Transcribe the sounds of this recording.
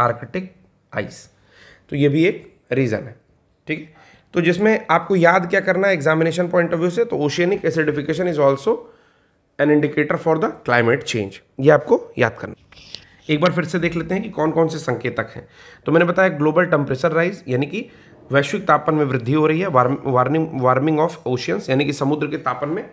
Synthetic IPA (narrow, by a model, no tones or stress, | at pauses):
aːɾkeʈɪk̚ | a̰ːɪs | t̪ojebʱieːk | ɾiːzə̰nɦɛ | ʈʰiːkɛ̥ | t̪od͡ʒɪsmẽaːp̚kojaːd̪kjaːkɐɾnaɛeɡzaːmɪneːʃənpɔ̃ɪ̃ɳʈɔʋjuset̪ooːʃeːnikesɐɾʈɪfɪkeːʃ̬ənɪzɔːlsoː | ɛ̃nɪ̃ɳɖɪkeːʈəɾfɔːɾd̪ɐklaːɪmeʈt͡ʃẽːnd͡ʒ | jeaːp̚koja̰ːd̪̚kɐɾna | eːk̚baːɾfɪɾsed̪eːkʰleːt̪eɦɛ̃kikɔːnkɔːnsesɐ̃ŋkeːt̪ɐkɦɛ̰̃ː | t̪omɛ̃ːnebɐt̪aːjaɡloːbəlʈɛ̃mpɾeːt͡ʃəɾːaːɪzjaːniki | ʋɛːʃʋɪk̚t̪aːpənmẽʋɾɪd̪ʱːiɦoɾɐɦiɦɛʋaɾʋaːɾɪ̃ŋʋaːɾmɪ̃ŋɡɔːfoːʃiənsjaːnikisɐmʊd̪ɾəket̪aːpənmẽ